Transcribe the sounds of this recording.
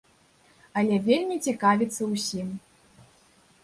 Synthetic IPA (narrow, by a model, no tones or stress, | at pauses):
ɐlʲɛvʲelʲmʲit͡sʲikavʲit̪sːɐwsʲim